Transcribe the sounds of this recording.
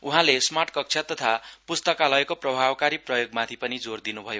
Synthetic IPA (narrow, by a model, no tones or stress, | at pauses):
uɦãlesmarʈkʌk̚t͡sʰʌt̪ʌt̪ʰapust̪ʌkalʌekoprʌbʱabkaɾiprʌjoɡmãt̪ʰipʌnid͡zord̪inubʱʌjo